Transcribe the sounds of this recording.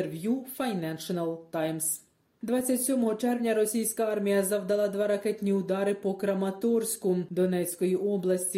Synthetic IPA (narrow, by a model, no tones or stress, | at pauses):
ʋʲjufɐjnɛnʃɔnɐlˠt̪ɑjms | d̪ʋɑt͡sʲːɐtʲsʲɔmɔɦɔt͡ʃɛrʋnʲɐɾɔsʲijsʲkɐɑrmʲijɐzɐwd̪ɐlˠɑd̪ʋɑɾɐkɛtʲnʲiʊd̪ɑɾɪpɔkɾɐmɐt̪ɔrsʲkʊd̪ɔnɛt͡sʲkɔjiʔɔblˠɐsʲtʲi